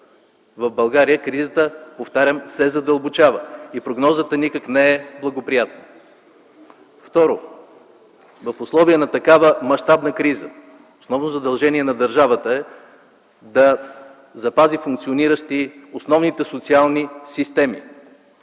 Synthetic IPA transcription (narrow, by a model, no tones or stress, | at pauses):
vəvbɐlˠɡaɾiəkɾizət̪əpoft̪aɾʲəmsɛzɐd̪ɐlˠbot͡ʃavəipɾoɡnɔzət̪ənikəknɛɛblˠɐɡopɾijat̪nə | ft̪ɔɾo | vəfʊslˠɔviənɐt̪ɐkavəmɐʃt̪abnəkɾizə̰ | osnɔvnozɐd̪ɐlˠʒɛniɛnɐd̪ɐɾʒavət̪əɛ | d̪ɐ | zɐpazifʊŋkt̪sioniɾəʃt̪iosnɔvnit̪ɛsot̪sialˠnisist̪ɛmḭ